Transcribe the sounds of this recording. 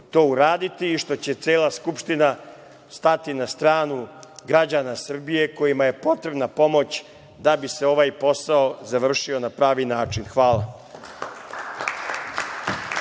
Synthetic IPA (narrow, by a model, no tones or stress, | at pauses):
t̪o̞ːuɾaːd̪it̪iːʃt̪o̞t͡ɕe̞t̪seːlaskupʃt̪ina | st̪at̪inast̪ɾaːnuɡɾad͡ʑanasr̩bije̞ko̞jimaje̞po̞t̪ɾe̞bnapo̞mo̞t͡ɕ | d̪abise̞o̞ʋajpo̞saozaʋr̩ʃio̞napɾaːʋinaːt͡ʃinxʋaːla